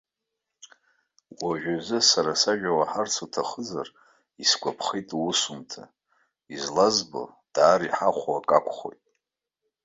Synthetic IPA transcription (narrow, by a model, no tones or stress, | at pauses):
wʷaʒᶣazɨsaɾasaʒᶣawaħart͡sʰutʰaχəzar | isɡʷʰʼapʰχejtʼwusumtʰa̰ | izlazbo̰ | d̥aːɾiħaχʷwakʼakʷʰʼχo̞̰jtʼ